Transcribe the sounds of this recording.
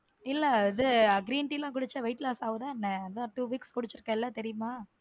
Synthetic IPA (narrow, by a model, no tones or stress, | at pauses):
ɪlːɛɪðɯɐɡɾiːɳʈilãːk̬ʊɽɯt͡ʃːɐʋɐɪʈlaːsaːʋɯðãːɛnːɐɐd̪ãːʈuːʋiːkskʊɽɯt͡ʃːɪɾɯkːɐ̃ɛlːɐt̪ɛɾɪjɯmaː